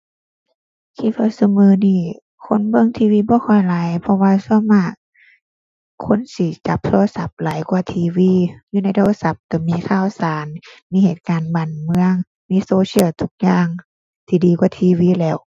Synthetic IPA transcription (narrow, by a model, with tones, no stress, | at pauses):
t̪ʰiː˧˩kʰa˧˩sa˧mɯː˧niː˧˩ | kʰo˧˥˨nbɤ˧˥˨ŋt̪ʰiː˧wiː˧˨bɔː˧˦kʰɔ˧˩jlaː˨˦jpʰɔ˧waː˧su˧˥˦maː˧˩k̚ | kʰo˧˥˨nsi˧˦t͡ɕa˨˦p̚t̪ʰo˧lsa˧˦p̚laː˨˦jkwaː˧˩t̪ʰiː˧wiː˧˥˨juː˧na˧˥jt̪oː˧˨sa˧˦p̚ka˧˩miː˧˥˨k̪ʰaː˧˩˨wsaː˨˦nmiː˧˥heː˨˩t̪̚kaː˨nbaː˨˩nmɯ˧˨əŋ | miː˧˥˨soː˧si˧ə˨wt̪ʰu˧˩k̚jaː˧ŋ | t̪ʰiː˧diː˨kwaː˧˦t̪ʰiː˧wiː˧˥˨lɛː˧˩w